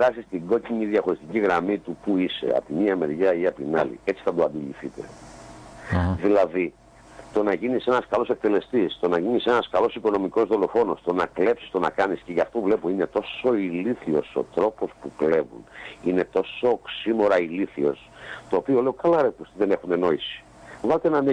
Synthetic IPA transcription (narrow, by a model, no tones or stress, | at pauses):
ɾɐsist̪iɡo̞cimiðjɐxo̞ɾist̪iciɣɾɐmit̪upuise̞̰ɐ̰pt̪imiɐmeɾʝɐiɐpt̪inɐlḭe̞t͡si̥θɐd̪oɐnd̪oliθit̪e̞̰ | ðilɐði | t̪o̞nɐʝinise̞nɐskɐlo̞sek̚t̪e̞le̞st̪ist̪o̞nɐʝinise̞nɐskɐlo̞siko̞no̞miko̞zðo̞lo̞fo̞no̞st̪o̞nɐkle̞psi̥st̪o̞nɐ̰kɐnisce̞ʝɐft̪ouvle̞poine̞t̪o̞so̞iliθio̞̰so̞̰t̪ɾo̞po̞spukle̞vṵnine̞t̪o̞so̞ksimo̞ɾɐiliθio̞s | t̪oːpio̞le̞okɐlɐɾepost̪iðe̞ne̞xune̞no̞isi̥ | vɐlet̪enɐn